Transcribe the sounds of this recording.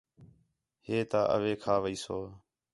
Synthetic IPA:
heːt̪aːʔə̰ʋeːkʰaːʋəiːsoː

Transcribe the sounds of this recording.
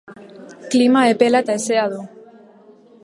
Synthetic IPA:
klimaepelat̪aeseaðo

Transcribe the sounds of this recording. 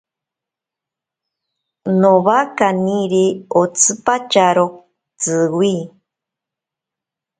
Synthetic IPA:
noβakaniɾeot͡sʰɨpat͡ʃaɾo | t͡sɨwi

